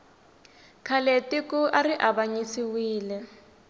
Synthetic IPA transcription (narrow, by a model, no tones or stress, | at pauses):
kʰaletikuʔariʔabaɲisiwiːlɛ